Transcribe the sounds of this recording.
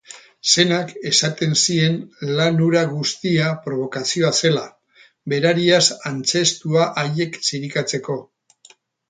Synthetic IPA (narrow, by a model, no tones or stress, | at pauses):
se̞nake̞sat̪e̞nsie̞nlanuɾaɣust̪iapɾo̞β̞o̞kasio̞ase̞la | be̞ɾaɾiasant͡se̞st̪uaʔaje̞ksiɾikat͡se̞ko̞